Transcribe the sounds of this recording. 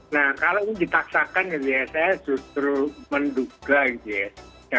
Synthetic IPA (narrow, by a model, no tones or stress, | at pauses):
nahkaloidip̪aksakanɡit̪ujasajḁd͡ʒ̥ut̪ɾumənduɡ̥aɡit̪ujad̥a